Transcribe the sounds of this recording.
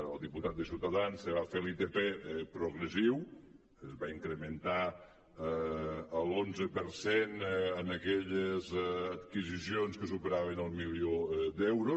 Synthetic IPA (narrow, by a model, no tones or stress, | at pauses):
ə̰lˠd̪iput̪at̪̚d̪əsiwt̪əðansəβafeɾlit̪epepɾuɣɾəsiw | əzβaiŋkɾəmənt̪a | əlˠonzəpəɾsenənəkɛʎəzət̪kizisionskəsupəɾaβ̞ənəlˠmiliod̪ɛwɾu